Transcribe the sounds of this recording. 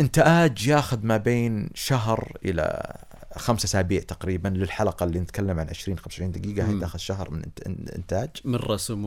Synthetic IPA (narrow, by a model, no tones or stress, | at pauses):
ʔɪnt̪aʔaːd͡ʒjaːxʊðmabeːnʃaɦɾʔɪ̰la̰ | xamsʔasaːbiːʕt̪aqɾiːbanlɪlħalɑqɑlːiːnɪt̪kalːamʕanʕɪʃɾiːnxamswɪʃɾiːnd̪aɡiːɡahajt̪ʔaːxʊðʃaɦɾmɪnɪ̰nt̪aːd͡ʒmɪrˤːɑsm